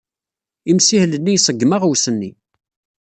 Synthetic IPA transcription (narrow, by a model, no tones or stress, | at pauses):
imsihlənːijsˤəɡːmaʁwsənːi